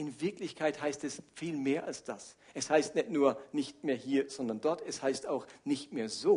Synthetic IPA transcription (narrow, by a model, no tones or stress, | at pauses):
ʔɪnvɪɐklɪçkʰaɪthaɪstɛsfiːlmeːɐʔa̰lsd̥as | ʔɛshaɪstnɛtnuːɐnɪçtmeːɐhiːɐz̥ɔndɐndɔɐtɛshaɪstaʊxnɪçtmeːɐzoː